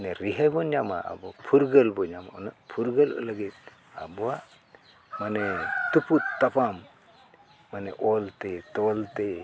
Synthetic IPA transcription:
nɛɾiɦajbɔɲama̰ʔa̰bɔpʰuɾɡəlbɔɲama̰ɔ̰napʰuɾɡəlɔ̰ləɡit̪̚ | a̰bɔa | manɛt̪uput̪ːapʰamː | anɛʔɔlt̪ɛt̪ɔlt̪ɛ

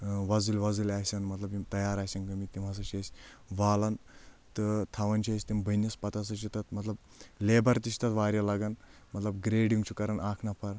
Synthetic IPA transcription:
ʋɐzulʲʋɐd͡zulʲaːsɐnmɐt̪lɐbit̪ɐjaːɾaːsɐnkɐmit̪imɐs̬ɐt͡ʃʰɐsʲʋaːlɐn | t̪ɨt̪ʰɐʋɐnʲt͡ʃʰiɐsʲt̪imbʱɐnːɐspɐt̪ɐs̬ɐt͡ʃʰit̪ɐt̪mɐt̪lɐb | leːbɐɾt̪isʰi̥t̪ɐt̪ʋaːɾjɐlaɡɐnmɐt̪lɐbɡɾeːɖjuŋt͡ʃʰukɐɾɐnaːkʰnɐpʰɐɾ

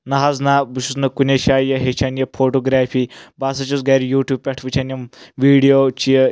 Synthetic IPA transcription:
nɐɦaznabuʃusnɐkuneʃaːjɐɦet͡ʃʰanjɐpʰoʈoɡɾaːfiːbasɐt͡ʃusɡaɾijuːʈjuːb̚pʲɛʈʰʋut͡ʃʰanjɐmʋiːɽijot͡ʃij

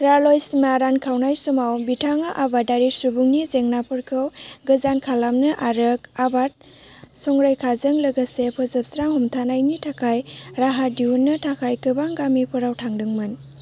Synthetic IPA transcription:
ɾalojsimaɾankʰawnajsumawbitʰaŋaʔabadaɾisubuŋnizeŋnapʰɯɾkʰɯwɡɯzankʰalamnɯʔaɾɯkabat̚ | sɔŋɾajkʰazɯŋlɐɡasepʰɔzɯp̚sɾaŋhumtʰanajnitʰakʰajɾaɦadiunːɯtʰakʰajkɯbaŋɡamipʰɯɾawtʰaŋdɯŋmɯn

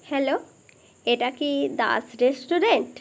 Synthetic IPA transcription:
hɛlo | eʈakid̪a̰sɾesʈuɾeɳʈ

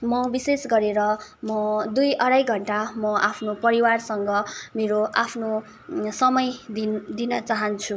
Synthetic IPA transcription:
mʌbisesɡʌɾeɾʌmʌd̪ujʔʌɽajɡʱʌɳʈamʌʔapʰnopʌɾiwarsʌŋɡʌmeɾoʔapʰno | sʌmʌjd̪ind̪inʌt͡saɦʌnt͡sʰu

